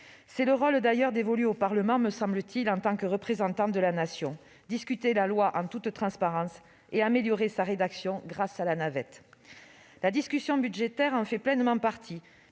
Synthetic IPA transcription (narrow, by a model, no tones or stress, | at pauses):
sɛləʁɔld̪ajœʁd̪evɔlyopaʁləmɑ̃məsɑ̃blət̪ʰilɑ̃t̪ɑ̃kəʁəpχezɑ̃t̪ɑ̃d̪əlanasjɔ̃ | d̪iskʲyt̪elalwaʔɑ̃t̪ut̪t̪χɑ̃spaʁɑ̃s | eameljɔʁesaʁed̪aksjɔ̃ɡʁasalanavɛt̪ | lad̪iskʲysjɔ̃byd̪ʒet̪ɛʁɑ̃fɛplɛnmɑ̃paʁt̪ʰi